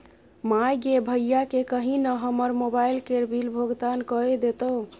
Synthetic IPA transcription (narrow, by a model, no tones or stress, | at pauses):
majɡebʱəjjakekəɦinəɦəməɾmobailkeɾbʱilbʱoɡd̪ankəed̪et̪o